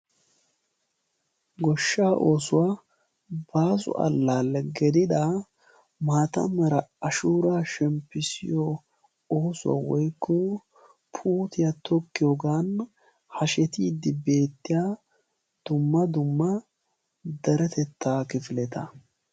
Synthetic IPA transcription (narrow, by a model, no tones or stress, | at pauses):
ɡɔʃːaːʔo̞ːsʊwaː | baːsʊ̰ʔɐ̰lːaːlːɛɡɛd̪ɪd̪a | maːt̪ɐ̰mɐɾɐɐʃuːɾaːʃɛmpːɪsɪ̰jɔ | o̞ːsʊwa̰ːwɔjkːɔ | pʰuːt̪ɪjat̪ɔkːɪjoːɡaːn | hɐʃɛt̪iːd̪ːɪbe̞ːt̪ːɪjaː | d̪̥ʊmːɐd̪ʊmːɐ | d̪ɛɾɛt̪ɛt̪ːaːkɪfɪlɛt̪ɐ